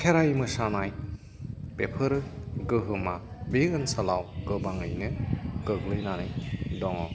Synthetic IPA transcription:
kʰeɾajmɯsanaj | pepʰɯɾɯɡɯɦɯmabeɡɯnsalawɡɯbaŋɯjnɯɡ̥ɯɡlɯjnanɯjdɔŋɔw

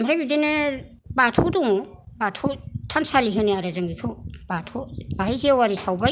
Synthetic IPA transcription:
mɾabidenɯ | batʰuduŋbatʰutʰansaliɦɯniaɾazaŋitʰub̥atʰubaɦajziawaɾisʰawba

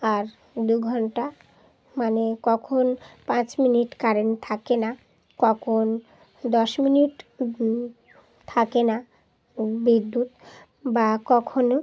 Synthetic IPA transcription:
aɾ | d̪ujɡʱɔnʈa | manekɔkʰonpãt͡ɕminiʈkaɾent̪ʰakena | kɔkʰon | d̪ɔʃminiʈ | t̪ʰakena | bid̪ːut̪ | bakɔkʰono

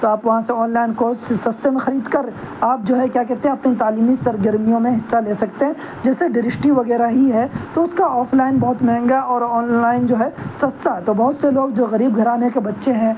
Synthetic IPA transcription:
t̪oaːpʋɐɦãseɔːnlaːɪnkoːssɐst̪emẽxɐɾiːd̪kɐɾ | aːp̚d͡ʒoːɦɛkjaːkɛɦt̪eɦɛ̃ɐpnit̪aːliːmisɐɾɡəɾmijõmẽɦɪsːaleːsɐkt̪eɦɛ̃ | d͡ʒɛːseɖɪɾɪʃʈiʋɐɣɛːɾaɦiɦɛt̪oʊskaɔːfʰlaːɪnbɔɦʊt̪mɛ̃ːŋɡaʔɔːɾɔːnlaːɪnd͡ʒoːɦɛsɐst̪aɦɛt̪obɐɦʊt̪seloːɡd͡ʒoːɣɐɾiːbɡʱɐɾaːnekebɐtːʃeɦɛ̃

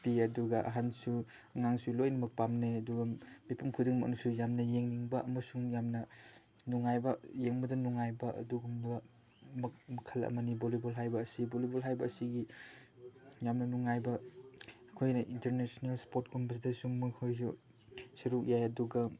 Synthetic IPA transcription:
piɐduɡɐʔɐ̰ɦansu | ŋaŋsulojnɐmɐk̚pamneɐduɡɐmipumkʰudiŋmɐ̰nusujamnɐjeŋniŋbɐʔɐmɐsuŋjamnɐ | nuŋajbɐjeŋbɐdɐnuŋajbɐɐ̰duɡumdɐ | mɐmɐkʰɐlɐ̰mɐnibolibolɦajbɐːsibolibolɦajbɐːsiɡi | jamnɐnuŋajbɐ | ɐkʰojnɐʔinteɾnesonelspoɾt̚ɡumbɐs̬idɐsumɐkʰojs̬u | sɐɾuk̚jajɐduɡɐ

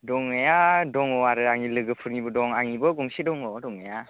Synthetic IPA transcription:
dɔŋejadɔŋɔaɾɯaŋilɯɡɯpʰɯɾŋibɯdɔŋaŋibɯɡɔmsidɔŋɔdɔŋeja

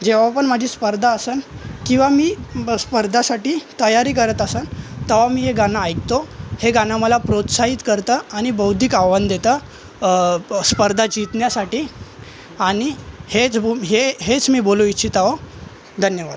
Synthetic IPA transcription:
d͡ʑeʋapəɳmad͡ʑʱiːspəɾd̪ʱaːsənkĩw̃ʋamiːspəɾd̪ʱasaʈiːt̪əjaɾiːk̬əɾət̪əsənt̪əʋamiːɦeɡanaːjkt̪oheɡanaməlapɾot̪saɦit̪kəɾt̪əaɽ̃ibəwd̪ʱiːkaʋənd̪et̪əː | spəɾd̪ʱad͡ʑit̪njasaʈiː | aɽ̃ihet͡sɦeɦet͡smiːboluiːɕʰit̪ao | d̪ʱənjəʋa̰d̪

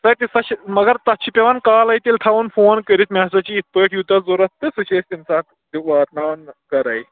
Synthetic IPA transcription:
sɐkisɐɕmɐɡəɾt̪atɕʰipʲeʋankaːlajt̪iːlt̪ʰaʋuːnfoːnkəɾiːt̪masat͡ɕiːt̪̚pəʈʰjud̪ʱːazoɾɐt̪ːəsuɕesʲt̪insa | iʋaːt̪nankɐɾaj

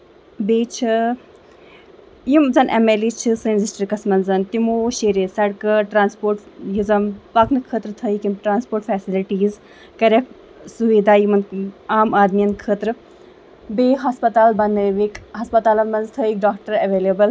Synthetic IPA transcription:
beːt͡ʃʰɨ | jimzɐnʔemeːlit͡ʃʰɨsɨnzisʈɾkɐsmɐnzɐnt̪imoːʃeːɾesɐɽkɐʈɾaːnspoːɾʈjizɐmpɐknɨkʰəːt̪ɾɨt̪ʰəikimʈɾaːnspoːɾʈfɛːsiliʈiːz | kɐɾek | suʋeːd̪aːjimɐnaːmaːd̪mijɐnkʰəːt̪ɾɨ | beːɦɐspɐt̪aːlbɐnəʋikɦɐspɐt̪aːlɐnmɐnzt̪ʰəik̚ɖaːk̚ʈɐɾɐʋeːlebɐl

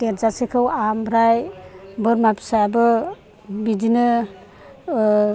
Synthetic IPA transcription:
teɾzasekʰɯwambɾajbɯɾmapʰi̥sajabɯ | bidinɯ

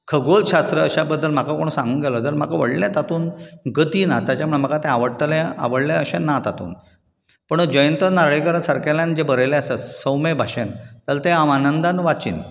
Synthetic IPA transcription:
kʰəɡolɕast̪ɾəːɕabəd̪ːəlm̤akakoɽ̃usãŋɡuːnɡɛlɔt̪əlm̤akaʋəɽlẽt̪at̪uːnɡət̪iːnat̪jat͡ɕam̤uɭem̤əkat̪ɛ̃aʋəɽʈəlẽa̰ʋəɽlẽəɕenat̪at̪ṵːn | pəɳd͡ʑəjənt̪ənaɾɭekəɾasaɾkalãnd͡ʑebəɾəjlẽasəsəwmebʱaɕənt̪alt̪ẽamanənd̪anʋat͡ɕḭːn

